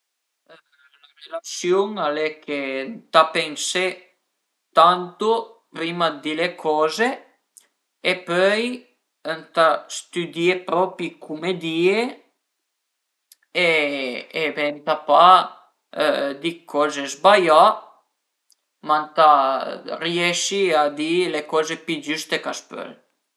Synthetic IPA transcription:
laɾelasjuŋalekʰent̪apɛŋse | t̪ant̪opɾimad̪ilekʰɔːze | pœj | ənt̪ast̪yd̪iepɾɔpikʰumed̪iːe | ɛ | ɛbɛnt̪apa | d̪ikʰɔzɛzbaja | mant̪a | rjɛʃiad̪ilekɔzepid͡ʒyst̪ekaspœ̰l

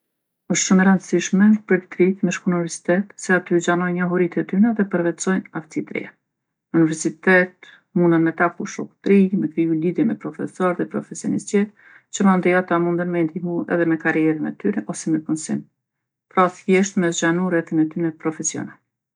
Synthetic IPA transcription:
ɔʃt̪ʃumɛɾand̪əsiʃmɛpəɾt̪ə̥t̪ɾiθmɛʃkuunivɛɾsi̥t̪ɛt̪sɛat̪yd͡ʒanɔjnɲaɦuɾit̪ɛt̪ynɛðɛpəɾvɛt̪t͡sɔjnaft͡s̪it̪ɾḭa | univɛɾsit̪ɛt̪ | munanmɛt̪akuʃɔku̥t̪ɾimɛkɾiuliðjɛmɛpɾɔfɛsɔɾðɛpɾɔfɛsjɔnḭs̚d͡ʑɛt̪ | t͡ɕəmand̪ɛat̪amund̪ənmɛint̪imuɛ̰ðɛmɛkaɾiɛɾənɛt̪yɾɛʔɔsɛmɛkɔnsin | pɾɔθkjɛʃt̪mɛsd͡ʒanuɾɛθinɛt̪ynɛpɾɔfɛsjɔ̰nal

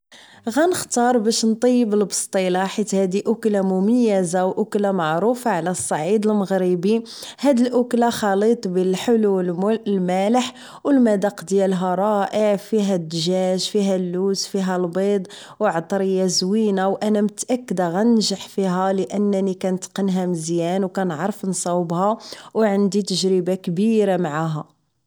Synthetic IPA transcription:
ɣænəxt̪ɑɾˤbæʃnt̪ˤijːəbəlbə̥st̪ˤilaħit̪hæd̪iʔʊklamʊməjːæzawʔʊklamaʕɾufaʕlæsˤːɑʕid̪əlməɣɾibi | hæd̪ilʔʊklaxɑlit̪ˤbəlħəlulmæləħ | wəlmæd̪ɑqd̪jælɦæɾˤɑʔəʕfiɦæd̪ːʒæʒfiɦælːuzfiɦælbed̪ˤ | wʕt̪ˤɾijæzwinawʔænæmət̪ʔækːəd̪aɣænnʒəħfiɦæləʔənːnikænt̪qənɦæməzjænwkænʕɾˤfnsˤɑwbhɑwʕənd̪it̪əʒɾəbakbiɾamaʕaɦæ

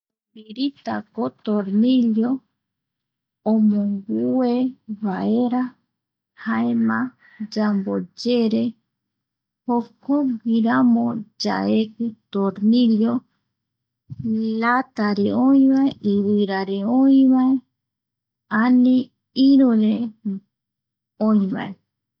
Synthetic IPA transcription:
biɾit̪a̰kot̪oɾniljo | omõŋɡueβaʔeɾa | haemã | d͡ʒambod͡ʒeɾe | hokoɡiɾamõd͡ʒa̰ekɨt̪oɾniljo | lat̪aɾeoĩβaeʔiβɨɾaɾeoĩβãe | anĩ | iɾuɾe | oĩβã̰e

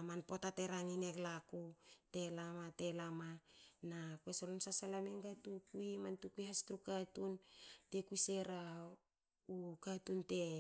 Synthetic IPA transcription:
manpo̞tateɾaŋineklakute̞lamate̞lamanakwesolonsasalameŋɡatukuimantukujɦastɾukatunte̞kuise̞ɾa | ukatunte̞

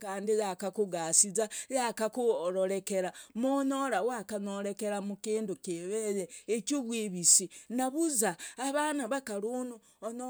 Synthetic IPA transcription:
kaːndijakakuɡasizajakakuɾoɾekeɾamonoɾawakanoɾekeɾamukiːndukiβejeet͡ʃuβwiβisinaβuzaːβanaβakaɾunu | ono

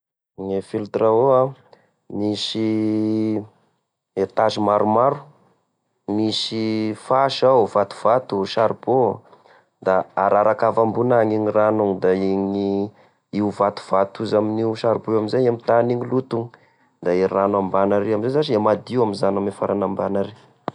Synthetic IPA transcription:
ŋefilt̪ɾaoa | misi | et̪azimaɾumaɾu̥ | misifaʃavat̪u̥v̥at̪uʃaɾibo | d̪aːɾaɾakavambunaŋiɲiranuŋd̪aiŋi | iuvat̪u̥v̥at̪uzaminiwʃaɾiboamizajamit̪aniɲilut̪uŋ | d̪airanambanaɾeamizezaʈ͡ʂiamad̪iwamizanamefaɾanambanaɾe

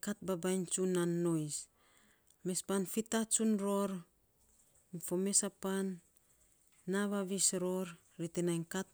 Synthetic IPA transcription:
kat̚babajnt͡ʃunanːo̞js | me̞spanfitat͡ʃunɾo̞ɾ | fome̞sapan | aβaβisɾo̞ɾ | ɾitenajnkat̚

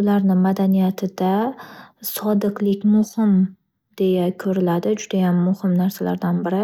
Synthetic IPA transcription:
ʊlaɾnɪmad̪anijat̪ʰɪd̪a | sɒd̪ɨqlɪkʲmʊhɪm | d̪̥e̞jakʰɵɾɪlad̪ɪd͡ʒʊd̪ajamːʊhɪmnaɾsala̰ɾd̪anbɪɾɪ

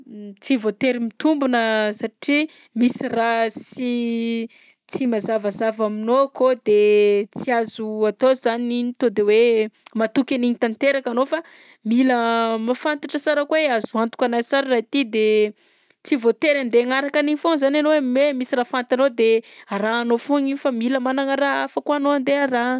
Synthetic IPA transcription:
t͡sivot̪eɾimit̪umbunəsaʈ͡ʂi | misirasi | t͡simazavazavaminokod̪et͡siazuat̪ozaniinit̪od̪ewemat̪ukʲaniɲit̪ant̪eɾakanofa | miləmafant̪aʈ͡ʂəsaɾəkweazuant̪u̥kʲanazsaɾirait̪id̪e | t͡sivot̪eɾand̪eŋaɾakaniɲifonzananowememisiɾafant̪anod̪eaɾaːnofuɲifamiləmanaŋəɾaafəkanoand̪eaɾa

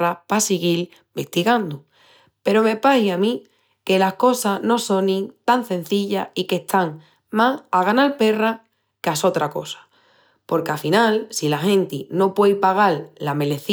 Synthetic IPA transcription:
apasiɣil | be̞ht̪iɣand̪u | pe̞ɾo̞me̞pahjamĩ | ke̞lahko̞sano̞so̞nĩŋt̪aŋsẽ̞n̟θiʎaike̞ht̪ʰaŋ | masaɣanalpe̞ra | kaso̞t̪ɾako̞sḁ | po̞ɾkeafinalsilaɦẽ̞nt̪ino̞pwe̞jpaɣ̞allame̞le̞θ

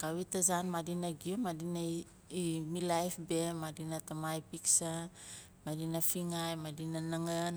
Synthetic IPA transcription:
kawitasanmadinaɡiomadina | imilajfbemadinatamajpiksa | madinafiŋajmadinanaŋan

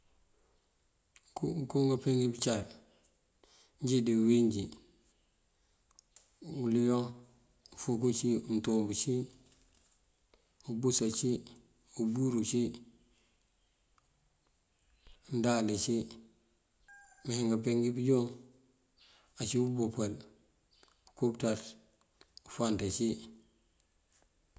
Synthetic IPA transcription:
kkoŋɡapeŋɡibit͡ʃaɾ | ɲɟidiwiɲɟi | ulijo | fokot͡ʃintobut͡ʃi | ubusat͡ʃi | ubuɾut͡ʃi | ndalet͡ʃi | meheŋɡapeŋɡibiɟoŋ | at͡ʃiubupel | kuptat | ufantat͡ʃi

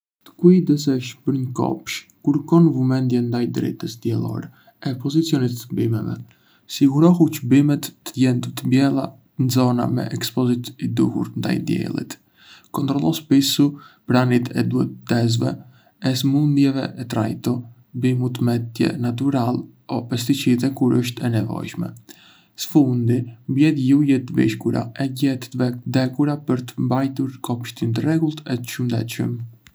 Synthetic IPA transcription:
t̪ə̥kuid̪əs̬ɛʃpəɾɲkɔ̰pʃ | kuɾkɔnvumɛnd̪jɛnd̪ajd̪ɾɛ̰t̪əsd̪jɛlˠɔ̰ɾɛ | ɛpɔzit͡sjɔnit̪ːəbimɛvɛ̰ | siɡuɾɔɦucəbimɛt̪ːəjɛnd̪ut̪əmbjɛlˠa | nzɔna̰mɛ̰ʔɛkspɔzit̪id̪uhṵɾnd̪a̰jd̪jɛ̰lˠḭt̪ | kɔnt̪ɾɔlˠɔspisupɾanit̪ʰɛd̪uɛ̰t̪t̪ːɛz̬vɛ̰ | ɛsmund̪jɛvɛʔɛt̪ɾa̰jt̪ɔ | mbimut̪əmɛt̪jɛ̰nat̪̬uɾal | ɔpɛst̪it͡ʃiðɛkuɾʔəʃt̪ɛnɛvɔ̰jʃmɛ̰ | sə̥fund̪imbjɛtjujɛt̪vḭʃkuɾa̰ɛɟɛt̪vɛkd̪ɛkuɾapəɾt̪əmbajt̪uɾkɔpʃt̪int̪ərɛɡulˠt̪ɛt̪ʃumd̪ɛ̰t̪ʃə̰m

